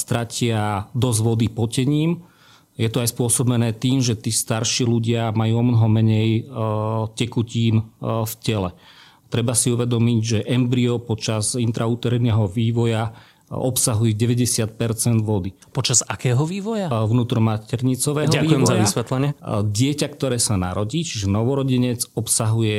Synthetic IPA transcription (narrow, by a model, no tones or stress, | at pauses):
st̪ɾacɪad̪ɔzʋɔd̪ipɔcɛɲiːm | jɛt̪ɔajspʊɔsɔbɛnɛːt̪iːmʒɛt̪iːst̪aɾʃiːluɟɪamajuːɔmnɔɦɔmɛɲɛj | cɛkuciːnfcɛlɛ | t̪ɾɛbasiuʋɛd̪ɔmiɟʒɛʔɛmbɾiɔpɔt͡ʃazint̪ɾʔauːt̪ɛɾɛnɛːɦɔʋiːʋɔja | ɔpsaɦujɛɟɛʋɛɟɛsɪat̪̚pɛɾt͡sɛnd̪ʋɔd̪i | pɔt͡ʃazakɛːɦɔʋiːʋɔjaʋnuːt̪ɾɔmacɛɾɲit͡sɔʋɛːɦɔakʋiːɛmzaʋiasʋɛt̪lɛɲɪɛɟɪɛcakt̪ɔɾɛːsana̰ɾɔɟiːt͡ʃiʒɛnɔʋɔɾɔɟiɲɛd͡zɔpsaɦujɛ